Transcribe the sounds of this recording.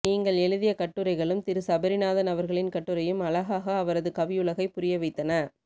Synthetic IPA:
niːŋɡɐɭɛɻɯðɪjɐkɐʈːɯɾɐɪɣɐɭɯmt̪ɪɾɯsɐbɐɾɪnaːðɐnɐʋɐɾɣɐɭɪnkɐʈːɯɾɐjɯmɐɭɐɣaːɣɐːʋɐɾɐðɯkɐʋɪjɯɭɐɣɐɪpːʊɾɪjɐʋɐɪt̪ːɐnɐ

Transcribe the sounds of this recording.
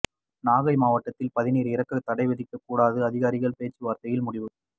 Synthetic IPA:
naːɣɐɪmaːʋɐʈːɐt̪ːɪlpɐðɪniːɾɪɾɐkːɐt̪ːɐɽɐɪʋɛðɪkːɐkːuːɽaːðɯɐðɪɣaːɾɪɣɐɭpeːt͡ʃːɯʋaːɾt̪ɐjɪlmʊɽɪʋɯ

